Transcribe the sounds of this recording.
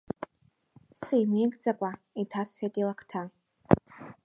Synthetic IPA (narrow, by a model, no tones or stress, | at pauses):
sejmeɡʼd͡zakʷʼa | itʰasħᶣatʼilakʰtʰa